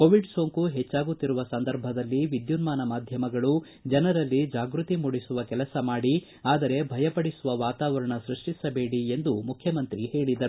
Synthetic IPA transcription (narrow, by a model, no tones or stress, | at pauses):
koːʋiɖsoːŋkuɦɛt͡ʃːaːɡut̪ːiɾuʋɐsɐnd̪ɐɾbʱɐd̪ɐlːiʋid̪junmaːnɐmaːd̪ʱjɐmɐɡɐɭu | d͡ʒɐnɐɾɐlːid͡ʒaːɡɾut̪imuɽisuʋɐkɛlɐsɐmaːɽi | aːd̪ɐɾe̞bʱɐjɐpɐɽisuʋɐʋaːt̪aːʋɐɾɐɳɐsɾiʂʈisɐbe̞ːɽiend̪umukʰjɐmɐnt̪ɾihe̞ːɭid̪ɐɾu